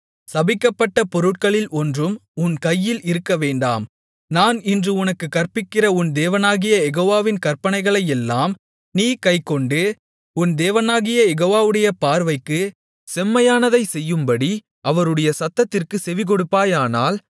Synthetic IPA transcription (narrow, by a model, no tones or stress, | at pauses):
sɐbɪkːɐpːɐʈːɐpɔɾɯʈ̚kɐɭɪlʔɔndrɯmʊnkɐjːɪlɪɾɯkːɐʋeːɳɖa̰ːm | naːnɪndrɯʊnɐkːɯkːɐrpɪkːɪrɐʊnd̪eːʋɐnaːɣɪjɐɛɣoːʋaːʋɪnkɐrpɐnɐɪɣɐɭɐjɛlːaːm | niːkɐɪkːɔɳɖɯ | ʊnd̪eːʋɐnaːɣɪjɐjɛɣoːʋaːʋɯɽɐjɐpaːɾʋɐɪkːɯ | sɛmːɐjaːnɐðɐɪsɛjːɯmbɐɽi | ʔɐʋɐɾɯɽɐjɐsɐt̪ːɐt̪ːɪrkɯsɛʋɪk̬ɔɽɯpːaːjaːnaːl